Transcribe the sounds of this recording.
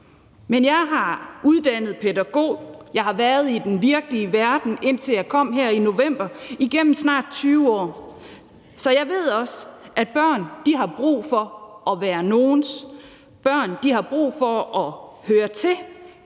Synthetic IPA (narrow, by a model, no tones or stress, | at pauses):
menjɑ̈ɪɦɑ̈uðˠd̥æn̰ð̩ˠpʰedæɡ̥o̝̰ːjɑ̈ɪhɑ̈ʋæɐð̞̩ˠid̥enʋiɐɡ̥əliəʋæɐd̥n̩ʔe̝n̰t͡sʰe̝ljɑ̈ɪkʰɒ̽m̰ɦeɐ̰ino̝ʋem̰b̥ɐiɡ̥em̰m̩snɑ̰̈ːd̥̚t͡sʰyːʊɒ̰ː | sɒ̽jɑ̈ɪʋe̝ð̞̰ˠɒ̽sʔæd̥̚b̥ɶɐ̰nd̥iɦɑ̈b̥ʁṵːfɒ̽ʔɒ̽ʋæːɐno̝ːns | b̥ɶɐ̰nd̥ihɑ̈b̥ʁṵːfɒ̽ɒ̽høːɐt͡sʰe̝l